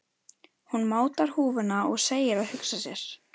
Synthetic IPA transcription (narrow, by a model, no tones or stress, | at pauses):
hunmaːwt̪aɾ̥huːvʏnaɔɣseːjɪɾaðhʏksasjɛɾ̥